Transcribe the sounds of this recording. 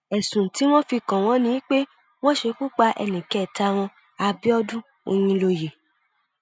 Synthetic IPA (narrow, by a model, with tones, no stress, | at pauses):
ɛ˨sũ˨ti˨˦w̃ɔ̃˦fi˧kã˨w̃ɔ̃˦nĩ˦i˦k͡pe˦ | w̃ɔ̃˦ʃe˧ku˦k͡pa˧ʔɛ̰˧˨nĩ˨kɛ˨˦˨ta˧w̃ɔ̃˧ | a˧bi˦ɔ˦dũ˦ | o̰˧j̃ĩ˧lo˧je˨